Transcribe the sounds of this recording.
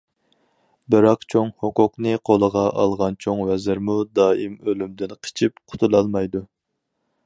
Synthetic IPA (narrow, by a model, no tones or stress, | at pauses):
bɨɾɑqt͡ʃʰoŋhokʊqnɨqʰolˠəʁɑʔɑlˠʁɑnt͡ʃʰoŋwɛzɪɾmud̪ɑːimølymd̪ɪnqʰə̥t͡ʃʰipqʰʊ̥t̪ʰulˠɑlˠmɑjd̪u